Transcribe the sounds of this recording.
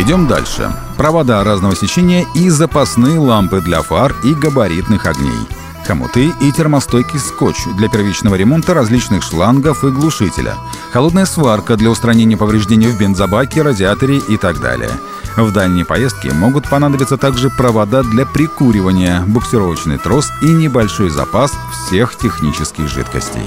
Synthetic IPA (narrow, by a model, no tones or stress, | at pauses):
ɪdʲo̞md̪a̰lʲʂɨ̰ | pɾəvad̪aɾaznəvəsʲɪt͡ɕenʲɪjəizəpasnɨjəlˠampɨd̪lʲɐfariɡəbɐɾʲit̪nɨxɐɡnʲḛj | xɐmʊ̰t̪ɨitʲɪrmɐst̪ojkʲɪskot͡ɕd̪lʲɐpʲɪrvʲit͡ɕnəvəɾʲɪmo̞nt̪əɾɐzʲlʲit͡ɕnɨxʂlˠanɡəfɨɡlˠʊʂɨtʲɪ̰lʲə̰ | xɐlˠo̞d̪nəjəsvarkəd̪lʲɐʊst̪ɾɐnʲenʲɪjəpəvɾʲɪʐdʲenʲɪjvbʲɪnd̪zɐbakʲɪɾədʲɪat̪əɾʲɪʔit̪aɡd̪a̰lʲɪ̰jə̰ | vd̪alʲnʲɪjpɐjest̪̚kʲɪ̰mo̞ɡʊt̪̚pɐnad̪əbʲɪt̪sət̪aɡʐɨpɾəvɐd̪ad̪lʲɐpɾʲɪkuɾʲɪvənʲɪjəbʊksʲɪɾo̞vət͡ɕnɨ̰jt̪ɾo̞sinʲɪbɐlʲʂo̞jzɐ̰pasfsʲe̞xtʲɪxnʲit͡ɕɪskʲɪ̰xʐɨ̰t̪kə̰sʲtʲɪ̰j